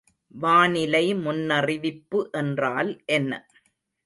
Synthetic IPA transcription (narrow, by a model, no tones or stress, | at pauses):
ʋaːnɪlɐɪmʊnːɐrɪʋɪpːɯʔɛndraːlʔɛnːɐ̰